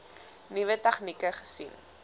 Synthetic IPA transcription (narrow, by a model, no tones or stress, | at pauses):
nivətɛχnikəχə̥sin